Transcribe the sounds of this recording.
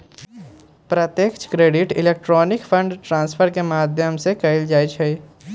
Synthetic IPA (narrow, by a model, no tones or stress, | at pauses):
pɾət̪jeːkt͡ʃkɾeːɖɪʈɪ̰leːk̚ʈɾɔːnɪkfʰə̃ɳɖʈɾãːnspʰəɾkemaːd̪ʱjəmsekəɪld͡ʒaːit͡ʃʰɛi